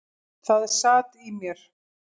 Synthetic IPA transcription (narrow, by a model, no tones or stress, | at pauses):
θað̥saːt̪imjɛɾ̥